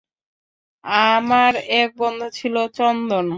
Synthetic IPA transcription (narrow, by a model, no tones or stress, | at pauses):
amaɾɛk̚bɔnd̪ʱot͡ɕʰilot͡ɕɔnd̪on